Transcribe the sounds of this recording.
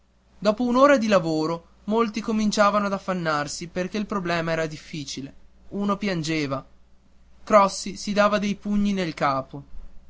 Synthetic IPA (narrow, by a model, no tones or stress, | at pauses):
d̪ɔːpounoːɾad̪ilavoːɾo | molt̪ikomint͡ʃaːvanoad̪afːanːarsiperk̟eilpɾoblɛːmaɛːɾad̪ifːiːt͡ʃile | uːnopjand͡ʒeːva | kɾɔsːisid̪aːvad̪ejpuɲːinelkaːpo